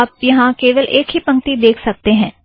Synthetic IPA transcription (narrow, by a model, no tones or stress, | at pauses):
aːp̚jɐɦãkeːʋəlʔeːkɦipɐ̃ŋk̚t̪id̪eːkʰsɐk̚t̪eɦɛ̃ː